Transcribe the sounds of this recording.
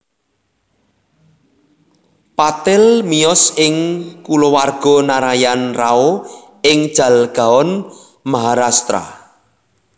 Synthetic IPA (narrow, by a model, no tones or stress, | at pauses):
pat̪ɪlmijɔsɪŋkulowarɡ̥ɔ̤naɾajanrao | ɪŋd̥ʒ̥ä̤lɡ̥a̤ɔn | maɦaɾast̪ɾa̰